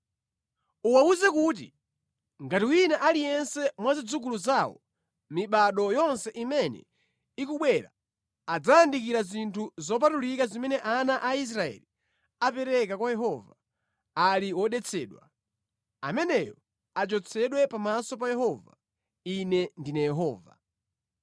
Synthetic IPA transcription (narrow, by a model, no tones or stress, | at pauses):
uwauzɛkut̬ḭ | ŋɡatiwinaʔalijɛnsɛmwazid͡zukuluzawɔ̰ | miɓaɗɔjɔnsɛʔimɛnɛ̰ | ikuɓwɛɾa̰ | ad͡zaːndikiɾazintʰuzɔp̬atulikazimɛnɛʔanaʔais̬ɾaɛ̰li | apɛɾɛkakwajɛɦɔva | aliwɔɗɛt͡sʰɛːɗwa̰ | amɛnɛjɔ | at͡ʃɔt͡sʰɛɗwɛpamasɔp̬ajɛɦɔva̰ | inɛndinajɛɦɔ̰ːva̰